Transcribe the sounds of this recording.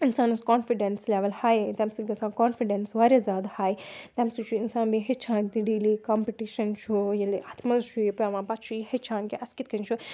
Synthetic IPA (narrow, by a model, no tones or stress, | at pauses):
insaːnɐskoːnfiɖensleːʋɐlhaːjt̪ɐmsiɡɐsãːkoːnfiɖensʋaːɾʲazʲjaːd̪haːjt̪ɐmsit͡ʃʰuɪnsaːnbiɦet͡ʃʰãːnʲt̪iɖiːlikaːmpiʈiʃɐnt͡ʃʰujɐliʔat̪ʰmɐʃʰuipɛʋãːpɐtt͡ʃʰuihet͡ʃʰãːnkʲiʔɐskit̪kɐnʲt͡ʃʰu